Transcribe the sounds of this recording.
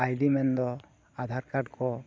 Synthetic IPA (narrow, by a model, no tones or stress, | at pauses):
ajdimɛnd̪ɔ | ad̪ʱaɾkaɖkʰɔ